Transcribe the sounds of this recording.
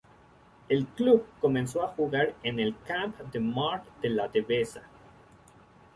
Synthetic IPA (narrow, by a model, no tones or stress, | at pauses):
elklubko̞mẽnsoaxuɣaɾenelkãmpd̪emaɾkd̪elat̪eβesa